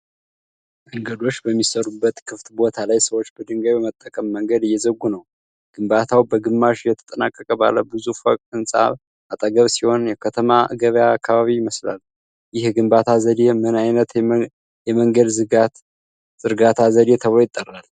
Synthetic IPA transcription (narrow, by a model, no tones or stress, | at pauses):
məŋɡəd̪o̞t͡ʃːbəmːisəɾubːət̪kʰɨft̪bo̞t̪ʰalajsəwo̞t͡ʃːbəd̪ɨŋɡəβjɛmət̪ʼːəkʼəmːəŋɡəd̪ɨjːɛzəɡːunəw | ɡ̥ɨmbat̪ʰawbəɡɨmːaʃjɛt̪ʰə̥t̪ʼəna̰kʼːəkʼəba̰ləbɨzufəkʼɨnsʼa̰β | ʔat̪ʼəɡəβsiho̞njɛkʰət̪ʰəmaɡəβjaːkʰːaβaβijɪməsla̰l | jɪhɡɨmbat̪ʰazəd̪emɨnajnət̪ | jɛməŋɡəd̪zɨɡat̪ | z̥ɨɾɡat̪ʰazəd̪et̪ʰəβojɪt̪ʼːərːal